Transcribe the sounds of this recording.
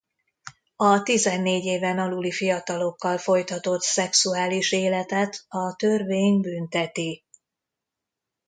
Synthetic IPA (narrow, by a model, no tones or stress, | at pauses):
ɒt̪izɛnːeːɟeːvɛnɒlulifijɒt̪ɒlo̞kːɒlfo̞jt̪ɒt̪o̞t̪sɛksuaːliʃeːlɛt̪ɛt̪ɒt̪ørveːɲbyːnt̪ɛt̪i